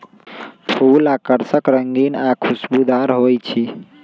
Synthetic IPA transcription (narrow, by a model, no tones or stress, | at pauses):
pʰulakəɾsəkɾəŋɡinakʰusbud̪aɾɦojt͡ʃʰi